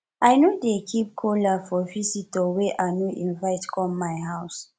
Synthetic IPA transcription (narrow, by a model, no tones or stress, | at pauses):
ʔajnodekʰip̚kʰolafɔvisitɔweʔanoʔĩnvaɪtkɔmmajɦaʊs